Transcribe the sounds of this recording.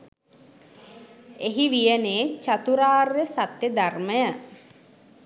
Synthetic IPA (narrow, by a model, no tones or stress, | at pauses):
eɦiʋijəneːt͡ʃat̪uɾaːrːesat̪jəd̪arməjə